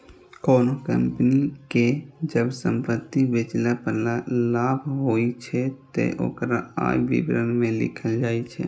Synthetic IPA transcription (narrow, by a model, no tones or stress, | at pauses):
koːnokə̰mpniked͡ʒəbsəmpət̪ːibet͡ʃlapəɾlalabʱɦoit͡ʃʰɛt̪ḛʔo̰ːkɾaa̰jbḭbɾənmẽlɪ̰kʰəld͡ʒaːit͡ʃʰɛ̰